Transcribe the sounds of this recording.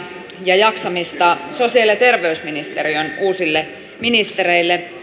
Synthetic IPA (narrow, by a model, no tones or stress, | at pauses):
jɑjɑksɑmist̪ɑso̞siɑljɑt̪e̞rʋeysminist̪eɾionuːsilːe | minist̪eɾeilːe